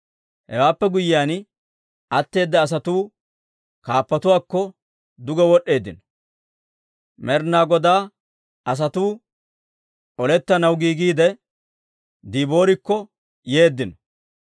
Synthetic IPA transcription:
hɛwaːpːɛɡʊjɪːaːn | ʔɐt̪ːe̞ːd̪ːɐːs̬ɐt̪uː | kaːpːɐt̪ʊwaːkːɔ | d̪ʊɡɛwɔɗːe̞ːd̪ːɪn | mɛɾnaːɡɔd̪aː | ɐs̬ɐt̪uː | ʔɔlɛt̪ːɐnɐwɡiːɡiːd̪ɛ | d̪iːbo̞ːɾɪkːɔ | je̞ːd̪ːɪnɔ

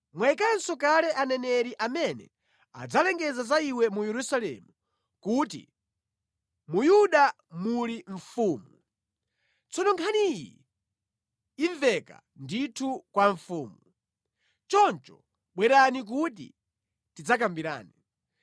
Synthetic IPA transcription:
mwaikansɔkalɛʔanɛnɛɾiʔamɛnɛ̰ | a̰d͡zalɛŋɡɛzazaiwɛmujɛɾusalɛ̰mu | kut̬ḭ | mujuɗa | muliɱ̩fuːmu | t͡sʰɔnɔŋkʰanijḭ | ivɛka̰ | nditʰukwaɱfuːmu | t͡ʃɔnt͡ʃɔ | ɓwɛɾanik̬ut̬ḭ | tid͡zak̬ambiɾa̰ːni

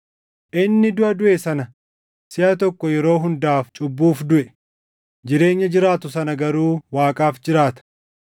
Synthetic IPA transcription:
ʔɪnːɪd̪ʊʔɐd̪ʊʔesɐnɐ | sɪʔɐt̪ɔkːɔjɛɾo̞ːɦʊnd̪aːft͡ʃʼʊbːuːfd̪ʊʔɛ | d͡ʒɪɾe̞ːɲːɐd͡ʒɪɾaːt̪ʊsɐnɐɡɐɾuːwaːkʼaːfd͡ʒɪɾaːt̪ɐ̥

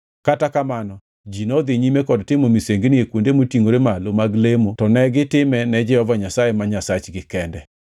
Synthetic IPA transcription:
katakamanɔ | d͡ʒinɔd̪ɪɲimekɔdtɪmomiseŋɡnɪekwondemotiŋoɾemalomaɡlemotɔnɛɡɪtɪmɛnɛd͡ʒɛɔvaɲasajemaɲasat͡ʃɡɪkɛndɛ

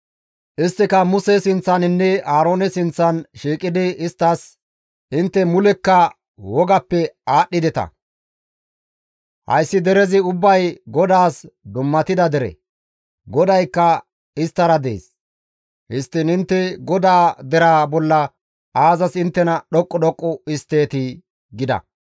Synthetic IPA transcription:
ʔɪst̪ːɪkɐmʊsɛsɪnt͡sːɐnɪnːɛaːɾo̞ːnɛsɪnt͡sːɐnʃiːkʼɪd̪ɪɪst̪ːɐs | ʔɪnt̪ːɛmʊlɛkːɐ | wɔɡɐpːɛaːɗːɪd̪ɛt̪ɐ̰ | hɐ̰jsːɪd̪ɛɾɛzɪʊbːɐjɡɔd̪aːsd̪ʊmːɐt̪ɪd̪ɐd̪ɛɾɛ̰ | ɡɔd̪ɐjkːɐ | ɪst̪ːɐɾɐd̪ḛːs | hɪst̪ːɪnɪnt̪ːɛɡɔd̪aːd̪ɛɾaːbɔlːɐ | aːzɐsɪnt̪ːɛnɐɗɔkʼːɔɗɔkʼːɔɪst̪ːe̞ːt̪ɪ | ɡɪd̪ɐ̰

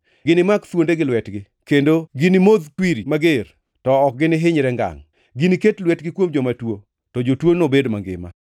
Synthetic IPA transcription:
ɡɪnɪmakt̪wondeɡɪlwɛtɡɪ | kendoɡɪnɪmod̪twiɾimaɡer | tɔːk̚ɡɪnɪɦɪɲɾɛŋɡa̰ŋ | ɡɪniketlwɛtɡɪkwomd͡ʒɔmatwo | tɔd͡ʒotwonobedmaŋɡɪ̰ma̰

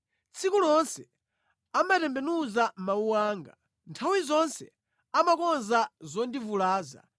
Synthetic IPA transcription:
t͡sʰikulɔnsɛ | amatɛmbɛnuzamauwaːŋɡa̰ | ntʰawizɔnsɛ̰ | amakɔnzazɔndivulaːza̰

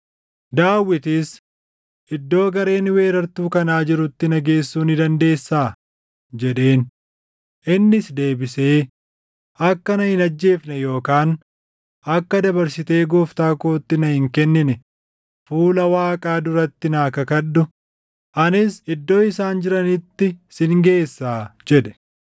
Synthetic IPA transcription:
d̪aːwːɪt̪ɪs | ʔɪd̪ːo̞ːɡɐɾe̞ːnwe̞ːɾɐɾt̪uːkɐnaːd͡ʒɪɾʊt̪ːɪnɐɡe̞ːsːuːnɪd̪ɐnd̪e̞ːsːaː | d͡ʒɛᶑe̞ːn | ʔɪnːɪsd̪e̞ːbɪse̞ː | ɐkːɐnɐhɪnɐd͡ʒːe̞ːfnɛjo̞ːkaːn | ɐkːɐd̪ɐbɐɾsɪt̪e̞ːɡɔːft̪aːkoːt̪ːɪnɐhɪŋkɛnːɪnɛ | fuːlɐwaːkʼaːd̪ʊɾɐt̪ːɪnaːkɐkɐᶑːʊ | ʔɐnɪsɪd̪ːo̞ːɪsaːnd͡ʒɪɾɐnɪt̪ːɪsɪŋɡe̞ːsːaːd͡ʒɛᶑɛ̥

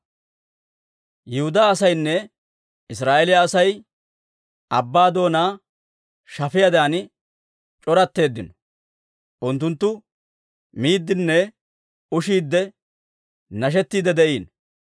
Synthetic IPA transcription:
jɛhʊd̪aːɐsɐjnːɛ | ɪs̬ɾaːʔelɪjɐːsɐj | ɐbːaːd̪o̞ːnaː | ʃɐfɪjɐd̪aːn | t͡ʃʼɔɾɐt̪ːe̞ːd̪ːɪnɔ̥ | ʔʊnt̪ːʊnt̪ːʊ | miːd̪ːɪnːɛ | ʊʃiːd̪ːɛ | nɐʃ̬ɛt̪ːiːd̪ɛd̪ɛʔiːn

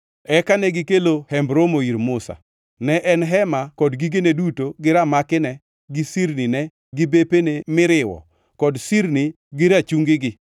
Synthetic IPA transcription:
ɛkanɛɡɪkelohɛmbɾomoiɾmʊsa̰ | nɛʔɛnɦɛmakɔdɡiɡenedutoɡɪɾamakɪnɛ | ɡɪsiɾninɛ | ɡɪbepenemɪɾɪwɔ̰ | kɔdsiɾni | ɡɪɾat͡ʃuŋɡɪɡɪ

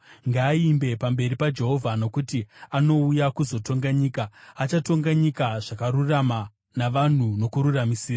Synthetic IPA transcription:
ŋɡaːimbe̞pambe̞ripad͡ʒe̞ɦo̞vʱano̞kutiano̞ujakuzo̞to̞ŋɡaɲiːkaːt͡ʃato̞ŋɡaɲikaʐakaɾurama | naʋan̤uno̞kuɾuramisiːra

